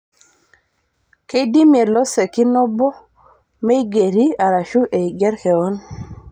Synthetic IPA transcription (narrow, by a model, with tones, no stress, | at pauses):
ke˦di˦mie˨lɔ˦sɛ˨ki˦nɔ˦bɔ˦ | me˦i˦ɡe˨ɾi˦a˨ɾa˨ʃu˦ʔe˨i˨ɡɛ˦ɾkɛ˨ɔ˦n